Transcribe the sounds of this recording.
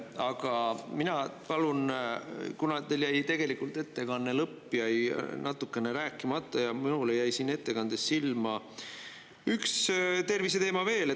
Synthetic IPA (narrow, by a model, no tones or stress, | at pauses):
ɑɡɑminɑpɑlun | kunɑt̪eljæjt̪e̞ɡ̥e̞likult̪e̞t̪ːe̞kɑnːelɤpːˑjɑjnɑt̪ːˑukːe̞neɾæːkːˑimɑt̪ːˑɑjɑminulejæjsiːnːe̞t̪ːe̞kɑnd̪̥e̞sːilmɑ | ykst̪e̞rvis̬e̞t̪e̞ːmɑve̞ːle